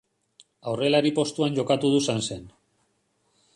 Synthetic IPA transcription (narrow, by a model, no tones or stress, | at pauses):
awre̞laɾipo̞st̪uanʝo̞kat̪uð̞usanse̞n